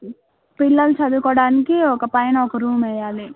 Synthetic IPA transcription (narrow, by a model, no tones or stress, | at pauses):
pilːɐlt͡ʃɐd̪ukɔːɽaːnikiɔkɐpɐjɐnɐɔkɐɾuːmɛːjaːli